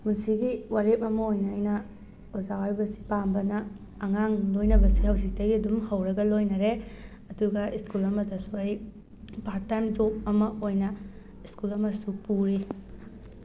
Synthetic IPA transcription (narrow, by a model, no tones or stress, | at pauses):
musiɡiwaɾep̚ɐmɐojnɐːjnɐ | ozawajbɐsi̥pambɐnɐː | ŋaŋlojnɐbɐsihɐwzik̚tɐɡiɐdumhɐwɾɐɡɐlojnɐɾe | ɐduɡɐiskulɐmɐtɐsuaj | paɾ̚tːajmzop̚ɐmɐʔojnɐ | iskulɐmɐsupuɾi